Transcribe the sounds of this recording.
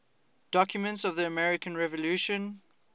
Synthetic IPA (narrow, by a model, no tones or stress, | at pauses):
d̥ɔkʰjʊmə̃ntsɔvðiəmɛɹɪkə̃nɹɛvəluʃə̃n